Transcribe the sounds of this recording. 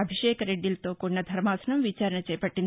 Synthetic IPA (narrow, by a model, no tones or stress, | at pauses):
ɐbʱiʃejkɐɾeɖilt̪okonɐd̪ʱɐɾmasnɐmʋit͡ʃaɾɳət͡ʃɐjpɐʈːin